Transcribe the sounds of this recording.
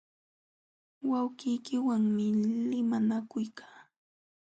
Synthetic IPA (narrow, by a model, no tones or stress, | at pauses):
wawɢɪjkɪwaŋmɪlɪmanakʊjkʰḁː